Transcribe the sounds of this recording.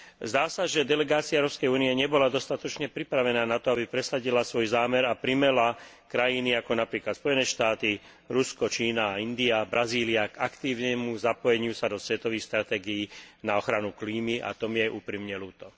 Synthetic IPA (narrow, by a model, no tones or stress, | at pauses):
zd̪aːsaʒɛd̪ɛlɛɡaːt͡siaɛʊɾɔːpskɛjuːniɛɲɛbɔlad̪ɔst̪at̪ɔt͡ʃɲɛpɾipɾaʋɛnaːnat̪ɔabipɾɛsaɟilasʋɔjzaːmɛɾapɾimɛla | kɾajiniakɔnapɾiːklat̪spɔjɛnɛːʃt̪aːt̪i | ɾuskɔt͡ʃiːnaːind̪iabɾaziːliaɡakt̪iːʊnɛmuzapɔjɛɲɪusad̪ɔsʋɛt̪ɔʋiːxst̪ɾat̪ɛːɡijinaɔxɾanukliːmiʔa̰t̪ɔmjɛʔṵːpɾimɲɛluːt̪ɔ